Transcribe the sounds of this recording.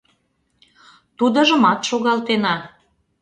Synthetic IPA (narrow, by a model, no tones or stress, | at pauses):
t̪ud̪ə̆ʒə̆mɑt̪ʃoɣɑlt̪enɑ